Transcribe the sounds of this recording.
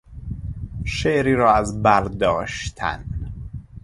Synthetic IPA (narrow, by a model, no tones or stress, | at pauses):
ʃeʔɾiːɾɒːæzbæɾd̪ɒːʃt̪ʰæ̰n